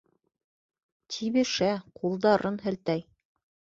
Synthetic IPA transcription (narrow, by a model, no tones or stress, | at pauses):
t̪ʰiβɘ̆ʃæqʰulˠd̪ɑɾɤnɦɘ̆lt̪æj